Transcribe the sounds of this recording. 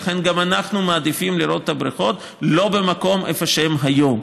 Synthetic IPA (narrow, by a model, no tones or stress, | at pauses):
aχe̞nɡamanaχnumaːd̪ifimliɾo̞t̪etabɾiχo̞t̪ | lo̞be̞mako̞mʔefoʃeemɦajo̞m